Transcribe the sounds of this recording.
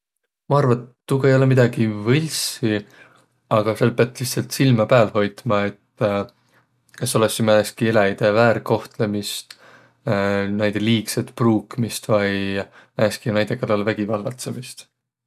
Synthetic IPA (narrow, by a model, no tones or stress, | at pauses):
mɑɑrvɑt̪ːuɡɑejo̞lemid̪̥ɑɡ̥ivɤlʲsi | ɑɡ̥ɑselpeɑt̪ːˑliçht̪sɑlt̪silmɑpæːlho̞jt̪mɑe̞t̪ | keso̞lesimæeskielæjd̪̥e̞væːɾko̞ht̪lemist̪ | næjd̪̥e̞liːkset̪ˑpruːkmist̪vɑj | æːskinæjd̪̥e̞kɑlːɑlvæɡ̥ivɑlɡ̥ɑt̪semist̪